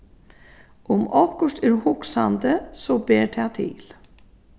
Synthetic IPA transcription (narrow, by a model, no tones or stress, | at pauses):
ʊmɔhkʊʂt̪ɛɾhʊksand̪əsɔbeːɾt̪ʰat̪ʰḭːl